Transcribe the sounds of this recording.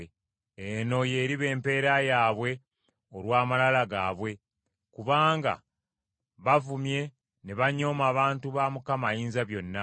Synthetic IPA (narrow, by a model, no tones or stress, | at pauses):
eno̞je̞ːɾiβe̞ːmpe̞ːɾajaːβwe̞ | olwaːmalalaɡaːβwe̞ | kuβaːŋɡa̰ | βavumje̞ | neβaɲo̞ːmaːβaːntuβaːmukamajiːnzaβjo̞nːa